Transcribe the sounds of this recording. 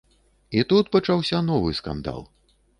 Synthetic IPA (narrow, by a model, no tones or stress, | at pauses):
it̪ut̪̚pɐt͡ʂawsʲɐnɔvɨ̰ska̰nd̪a̰lˠ